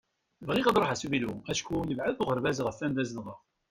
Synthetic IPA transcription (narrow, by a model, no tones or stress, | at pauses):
vʁiʁɑd̪ˤɾˤɑħasuviluæʃkujəvʕəðθoʁəɾvæzəʁəfːænd̪æzðʁəʁ